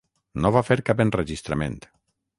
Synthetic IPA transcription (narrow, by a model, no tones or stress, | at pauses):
noβafeɾkapenreʒist̪ɾamḛ̃nt̪